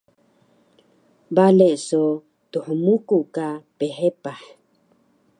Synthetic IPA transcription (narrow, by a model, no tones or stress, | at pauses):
baleʔso | t̪uħmukukapeɦepah